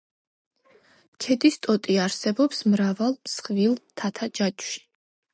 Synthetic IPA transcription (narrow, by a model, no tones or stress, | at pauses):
t͡ʃʰɛd̪ist̪ʼɔt̪ʼiaɾsɛbɔpsmɾavalˠmsχvilˠt̪ʰat̪ʰad͡ʒat͡ʃʼʃi̥